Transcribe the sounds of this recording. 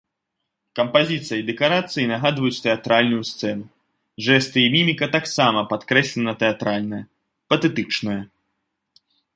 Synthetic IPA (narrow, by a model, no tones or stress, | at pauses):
kɐmpazʲit̪sɨjɐid̪ɛkaɾat̪sɨjinaɣad̪vɐjut͡sʲt̪ɛat̪ɾalʲnujust̪sɛnu | ʐɛst̪ɨimʲimʲikɐt̪aksamɐpat̪kɾɛsʲlʲɛnɐt̪ɛat̪ɾalʲnɐjɐ | pɐt̪ɛt̪ɨt͡ʂnɐjɐ